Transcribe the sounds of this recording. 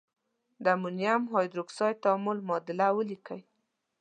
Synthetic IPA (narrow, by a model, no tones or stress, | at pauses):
d̪amʊnjamɦɑjd̪ɾʊksɑjt̪amʊlmɑd̪ɪlawəlikəj